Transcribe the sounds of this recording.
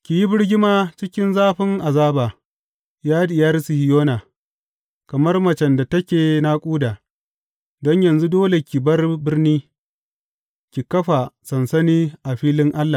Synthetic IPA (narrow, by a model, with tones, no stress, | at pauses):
kʲi˨ji˦bɪ˦rɡʲɪ˦maː˦t͡ʃɪ˦kʲɪ˦nzaː˦ɸɪ˦ŋʔa˨zaː˦baː˨ | jaː˦dɪ˨jɐ˦rsi˨hɪ˨˦joː˦naː˨ | kɐ˨mɐ˦rmɐ˨t͡ʃɛ˨nda˨tɐ˦kʲeː˨na˦kʷʼuː˦daː˨ | dɔ˦ɲjɐ˨nzu˦doː˦le˨kʲi˨bɐ˦rbɪ˦rniː˦ | kʲi˨kɐ˦ɸa˨sɐ˨nsɐ˦niː˦ʔa˨ɸiː˦lɪ˦ŋʔa˦lːa˨